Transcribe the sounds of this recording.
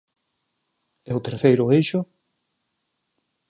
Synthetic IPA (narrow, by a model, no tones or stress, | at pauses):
ɛʊt̪eɾθejɾʊeʃʊ